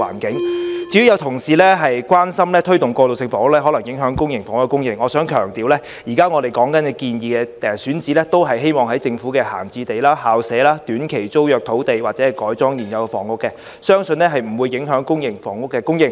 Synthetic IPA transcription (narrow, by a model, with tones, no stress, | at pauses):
a̰ː˨˩nkɪ˨˥ŋt͡siː˨˥ji˨˧wjɐ˨˧wt̪ʰʊ˨˩ŋsiː˨lɛː˥ɦɐ˨jkwaː˥nsɐ˥mlɛː˥t̪ʰɵ˥ɥt̪ʊ˨ŋkʷɔː˧lo˨wsɪ˧ŋfɔː˨˩ŋʊ˥k̚lɛː˥ɦɔː˨˥lɐ˨˩ŋjɪ˨˥ŋɦœː˨˥ŋkʊ˥ŋjɪ˨ŋfɔː˨ŋʊ˥kʊ˥ŋjɪ˨ŋɔː˨˧sœː˨˥ŋkʰœː˨˩ŋt̪iː˨˧wlɛː˥ | jiː˨˩kaː˥ŋɔː˨˧t̪e˨jkɔː˨˥ŋkɐ˨˥nɛ˧kiː˧njiː˨kɛ˧ɛ˨syː˨˥nt͡siː˨˥lɛː˥t̪o˥wɦɐ˨jɦe˥jmɔː˨ŋɦɐ˨˥jt͡sɪ˧ŋfuː˨˥kɛː˧ha̰ː˨˩nt͡siː˧t̪e˨jlaː˥haː˨wsɛː˨˥laː˥t̪yː˨˥nkʰe˨˩jt͡so˥wjœː˨k̚t̪ʰo˨˥wt̪e˨jwaː˨t̚t͡sɛː˨˥hɐ˨˩jkɔː˨˥jt͡sɔː˥ŋjiː˨˩njɐ˨˧wfɔ̰ː˨˩ŋʊ˥kːɛ˧ | sœː˥ŋsɵ˧nlɛː˥ɦɐ˨jm̩˨˩wuː˨˧jɪ˨˥ŋɦœː˨˥ŋkʊ˥ŋjɪ˨˩ŋfɔ̰ː˨˩ŋʊ˥kːɛː˧kʊ˥ŋjɪ˨˩ŋ